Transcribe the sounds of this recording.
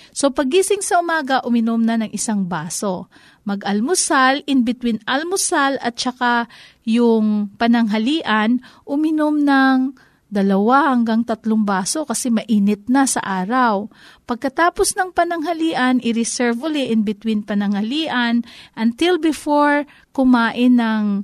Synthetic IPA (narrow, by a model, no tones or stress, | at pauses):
so̞pɐɡ̚ːiːsɪŋsɐʔʊmaːɡɐʔʊmɪnomnɐnɐŋʔɪsaŋbaːso̞ | mɐɡʔɐlmʊsalʔɪnbɪt̪winɐlmʊsalɐt̪̚t͡ʃɐka | jʊŋpɐnɐŋɦɐliːʔɐnʔʊmɪnomnɐŋ | d̪ɐlɐwahɐŋɡaŋt̪ɐt̪loŋbaːso̞kɐsɛmɐʔiːnɪt̪̚nasɐ̰ʔaːɾɐwpɐɡ̚kɐt̪aːposnɐŋpɐnɐŋɦɐliːʔɐnʔɪɾɪsɛɹvʊlɛʔɪnbɪt̪winpɐnɐŋhɐliːʔɐnʔɐnt̪ɪlbɪfoɹ | kʊmaːʔɪnːɐŋ